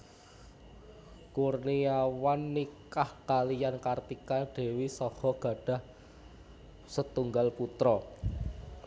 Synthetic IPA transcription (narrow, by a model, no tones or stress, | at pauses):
kurniawanːikahkalijankart̪ikaɖ̥e̤wisɔhɔɡ̥ä̤ɖ̥a̤h | sət̪uŋɡalput̪ɾɔ